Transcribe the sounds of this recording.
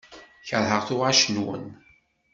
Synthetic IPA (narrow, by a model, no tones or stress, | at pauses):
çəɾˤɦəʁθʊʁaʃənwə̰n